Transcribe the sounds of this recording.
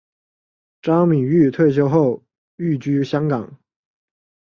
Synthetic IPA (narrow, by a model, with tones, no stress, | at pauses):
ʈ͡ʂɑ˥ŋmi˨˩ŋy˥˧t̪ʰwe˥˩ɪɕ̬jo˥ʊxo˥˩ʊ | y˥˩t͡ɕy˥ɕjɑ˥ŋkɑ˨˩˦ŋ